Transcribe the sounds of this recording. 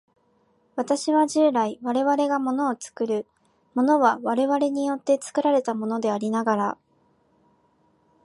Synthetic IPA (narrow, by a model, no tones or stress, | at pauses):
βat̪aɕiβaʑɨːɾaiβaɾe̞βaɾe̞ɡamo̞no̞ːt͡sɨ̥kɯɾɯ̟ | mo̞no̞βaβaɾe̞βaɾe̞ɲ̟ijo̞t̪ːe̞t͡sɨ̥kɯ̟ɾaɾe̞t̪amo̞no̞d̪e̞aɾʲinaɡaɾa